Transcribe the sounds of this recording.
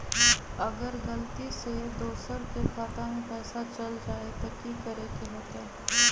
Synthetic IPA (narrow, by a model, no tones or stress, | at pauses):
ɐɡəɾɣɐlt̪ised̪oːsəɾkekʰaːt̪amẽpɛːsat͡ʃɐld͡ʒaːet̪okikəɾekeɦoːt̪e